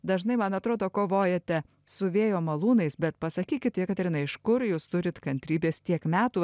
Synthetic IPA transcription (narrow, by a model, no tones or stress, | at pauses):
d̪ɐʒnɐɪmɐnɐt̪ɾoːd̪oːkoːʋoːjɛt̪ʲɛ | sʊʋʲeːjoːmɐlˠuːnɐɪsbʲɛt̪pɐsɐkʲiːkʲɪt̪ʲtʲiɛkɐt̪ɪɾʲɪnɐɪɪʃkʊɾjuːst̪ʊɾʲɪt̪kɐnʲt̪ʲɾʲiːbʲeːst̪ʲiɛkmʲæːt̪uː